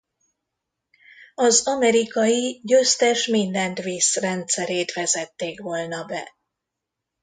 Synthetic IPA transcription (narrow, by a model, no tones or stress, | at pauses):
ɒzɒmɛɾikɒjiɟøst̪ɛʃmind̪ɛnt̪ʋisrɛnt̪sɛɾeːt̪ʋɛzɛt̪ːeːkʋoːlnɒbɛ̰